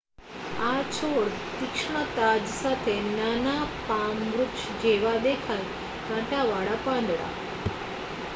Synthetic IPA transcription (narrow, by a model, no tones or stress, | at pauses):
at͡ɕʰoɾt̪ikʂɳət̪ad͡zsat̪ʰenanapaŋɡɾukɕd͡ʑeʋad̪ekʰat̪ | kãʈaʋaɽapãnd̪ɽa̰